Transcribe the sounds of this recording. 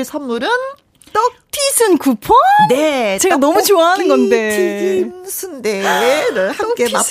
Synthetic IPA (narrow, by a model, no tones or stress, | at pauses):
sʰamːuɾɯn | t͈otʰisʰɯnkupʰonet͡ɕe̞ɡanʌmut͡ɕoaɦanɯnɡʌnde̞tʰiisʰɯndeɾɯhak͈ema